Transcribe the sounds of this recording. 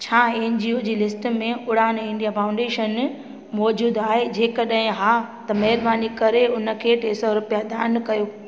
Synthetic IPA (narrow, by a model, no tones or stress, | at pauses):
t͡ɕʰaːeːnd͡ʑioːd͡ʑiːlɪsʈmẽʊɽaːnɪ̃ɳɖijafãːʊ̃ɳɖeːʃən | mɔːd͡ʑuːd̪aːɦed͡ʑeːkɐɗɦɪ̃ɦaːt̪ɐmɐɦɪɾbaːnikɐɾeʊnə̆kʰeːʈeːsɔɾʊpijad̪ʱaːnkɐjoː